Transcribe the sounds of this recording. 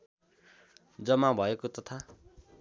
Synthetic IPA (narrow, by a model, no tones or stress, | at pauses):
d͡zʌmabʱʌekot̪ʌt̪ʰa